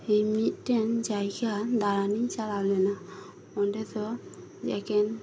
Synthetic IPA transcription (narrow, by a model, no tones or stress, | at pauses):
emit̪̚tɛnd͡ʒajkʰad̪aɾanit͡ʃalalena | mɔndɛt̪ɔ | d͡ʒɛ̰kʰɛn